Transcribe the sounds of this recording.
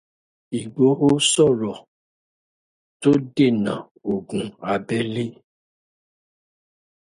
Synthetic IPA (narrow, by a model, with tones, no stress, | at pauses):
i˨ɡ͡bo˨˦ɦo˦sɔ˦˨ɾɔ˨ | to˦de˦˨nã̰˨ | o˨ɡũ˨a˨bɛ˦li˦